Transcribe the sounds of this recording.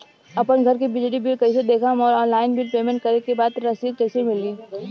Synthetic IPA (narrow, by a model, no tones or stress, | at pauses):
ɐpənɡʱɐɾkibɪd͡ʒɽibʱilkɐised̪eːkʰamɔːɾɔ̃ːnlaːɪnbʱilpeːmẽɳʈ̚kɐɾekebaːd̪ɾɐsiːd̪̚kɐɪsimɪliː